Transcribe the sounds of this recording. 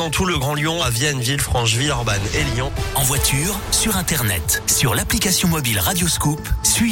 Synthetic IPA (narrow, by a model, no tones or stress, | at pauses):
ɑ̃t̪ʰuləɡʁɑ̃ljɔ̃avjɛnvilfχɑ̃ʃvilɔʁbaneljɔ̃ɑ̃vwat̪ʰyːʁsyʁɛ̃t̪ɛʁnɛ̰t̪syʁlaplikasjɔ̃mɔbilʁad̪joskupsɥi